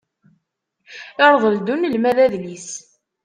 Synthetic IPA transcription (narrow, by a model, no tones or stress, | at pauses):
ɪɾˤðˤəld̪unəlmæðæðlis